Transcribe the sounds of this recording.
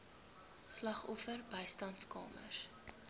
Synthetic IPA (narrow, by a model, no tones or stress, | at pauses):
slɐχɔfərbəjstɐntskɑ̰ːmə̰r